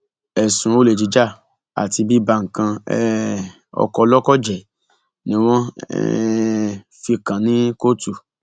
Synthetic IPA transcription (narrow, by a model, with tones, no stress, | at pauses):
ɛ˨sũ˨o˦le˨d͡ʒi˨˧˦d͡ʒa˦˨ | a̰˨ti˧bi˦ba˧˨ŋ̩˨kã˧ɛ˨˦ | ɔ̰˧kɔ˧lɔ˦kɔ˦˨d͡ʒɛ˨ | nĩ˨˦w̃ɔ̃˦ɛ̰ | fi˧kã˨nĩ˦ko˦tu˧